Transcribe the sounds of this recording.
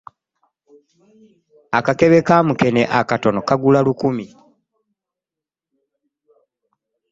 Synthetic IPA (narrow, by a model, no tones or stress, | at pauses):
akake̞βekaːmuke̞neʔakato̞no̞kaɡulalukumi